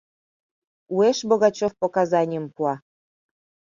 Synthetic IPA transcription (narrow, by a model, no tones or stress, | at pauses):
ueʃboɣɑt͡ɕofpokazɑnʲəmpuɑ